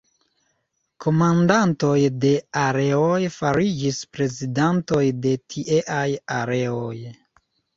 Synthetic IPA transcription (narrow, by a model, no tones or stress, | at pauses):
kʰo̞mandanto̞jde̞aɾe̞ojfaɾid͡ʒispɾe̞zidanto̞jde̞tʰiʔeʔajaɾe̞oj